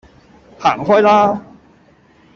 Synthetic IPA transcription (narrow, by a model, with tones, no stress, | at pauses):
haː˨˩ŋhɔː˥˩jlaː˥